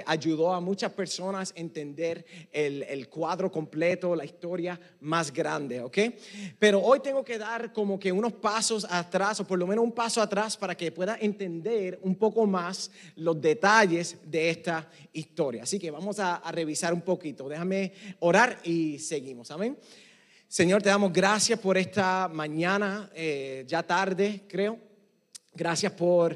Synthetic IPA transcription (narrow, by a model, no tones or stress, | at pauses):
ʔaʝuðo̞amut͡ʃaspe̞ɾso̞nase̞nt̪e̞nd̪e̞ɾelelkwaðɾo̞ko̞mple̞t̪o̞laist̪o̞ɾja | masɡɾand̪e̞oke̞jpe̞ɾo̞ojt̪e̞ŋɡo̞ke̞ðaɾko̞mo̞ke̞uno̞spaso̞sat̪ɾaso̞po̞ɾlo̞menoumpasoat̪ɾaspaɾake̞pwe̞ðaʔe̞nt̪e̞nd̪e̞ɾumpo̞ko̞mas | lo̞zðe̞t̪aʝe̞sðe̞est̪a | ist̪o̞ɾja̰ːsike̞βamo̞saːre̞βisaɾumpo̞kit̪o̞ðe̞xame̞o̞ɾaɾise̞ɣimo̞samẽŋ | se̞ɲo̞ɾt̪eamo̞zɡɾasjaspo̞ɾe̞st̪amãɲãnaed͡ʒat̪aɾðe̞kɾe̞o̞ | ɡɾasjaspo̞ɾ